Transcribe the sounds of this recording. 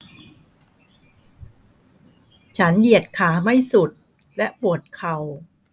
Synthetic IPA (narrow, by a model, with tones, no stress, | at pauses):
t͡ɕʰa˦˥nji˨˩ət̪̚kʰaː˩˦ma˥˩jsu˨˩t̪̚ | lɛ˦˥ʔpu˨˩ət̪̚kʰa˨˩w